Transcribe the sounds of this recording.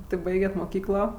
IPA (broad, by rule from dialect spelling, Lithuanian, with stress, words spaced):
ˈtʲɪ ˈbɐɪɡʲɛtʲ moːˈkʲiːklˠoː